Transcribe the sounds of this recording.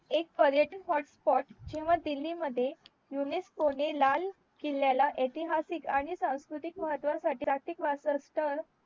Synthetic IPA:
ek̚pəɾjəʈikɦɔʈspɔʈd͡ʑeʋad̪ilːiməd̪ʱːje | juneskonelal | kelːjalaʔet̪iɦasikaɽ̃isãw̃skɾut̪ikməɦət̪ːʋasaʈiat̪ikʋasəsʈəɾ

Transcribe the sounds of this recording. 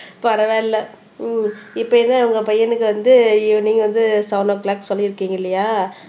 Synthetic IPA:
pɐɾɐʋeːɪlːɐ | ɪpːɐɛnːaʋɐŋɡɐpɐjɐnɯkːɯʋɐnd̪ɯiʋɐniːŋɡɐʋɐnd̪ɯsɐʋnoːklaːksɔlːɪɪɾɯkːiːŋɡɐɪlːɐjaː

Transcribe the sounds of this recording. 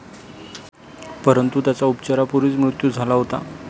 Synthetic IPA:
pəɾənt̪ut̪jat͡saupt͡ɕaɾapuɾiːt͡smɾut̪juːd͡zʱalaɦot̪a̰

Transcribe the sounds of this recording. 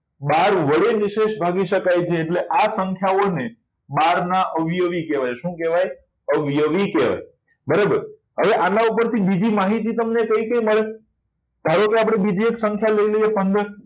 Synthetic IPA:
baɾʋəɭeʋɪʃeʃbʱaɡiʃəkajt͡ʃʰeːʈleʔasəŋkʰjaone | baɾnaʔəʋijəʋikeʋajʃũkeʋaj | əʋijəʋikeʋa̰j | bəɾabəɾ | ɦəʋeʔanaupəɾt̪ʰibid͡ʒimaɦit̪it̪əmnekəikə̃iməɭe | t̪aɾõkeapɽ̃ebid͡ʒieksə̃ŋkʰjaləiləijepənd̪əɾ

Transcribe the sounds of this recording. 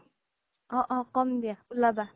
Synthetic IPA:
ɔʔɔkɔm̩bjaulaba

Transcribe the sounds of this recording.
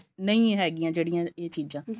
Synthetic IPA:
nɐĩɦɛːɡɪjãːd͡ʒeːɽɪjãːeːt̪ʰiːd͡ʒãː

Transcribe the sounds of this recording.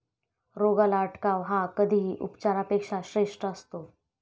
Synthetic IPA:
ɾoɡəlaəʈkaʋɦakəd̪ʱiːʔṵpt͡ɕaɾapekʂaɕɾeʂʈəəst̪o

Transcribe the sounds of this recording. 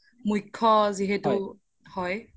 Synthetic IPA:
mujkʰːɔziɦetu | hɔj

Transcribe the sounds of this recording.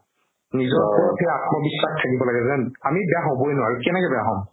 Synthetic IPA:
nizɔɹpɔɹpʰɛat̚mɔbisːaxtʰakibɔlaɡɛzɛnamibɛjaɦobojnʊwaɹukɛnɛkɛbɛjaɦɔm

